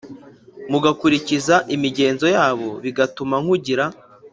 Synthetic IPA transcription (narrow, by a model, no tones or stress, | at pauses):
muɡakuɾicizaʔimiɟe̞ːnzo̞jaːβo̞βiɡatumaŋ̥huɟiɾa